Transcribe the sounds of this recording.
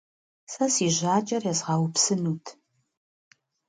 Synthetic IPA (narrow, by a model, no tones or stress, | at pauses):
sɐsiːʑaːt͡ʃʼɐrjɛzʁɑːwʊpsɨnuːtʰ